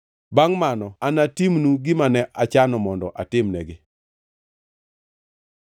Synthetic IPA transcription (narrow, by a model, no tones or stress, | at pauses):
baŋmanɔanatimnuɡɪmanɛʔat͡ʃanɔmɔndɔʔatɪmnɛɡɪ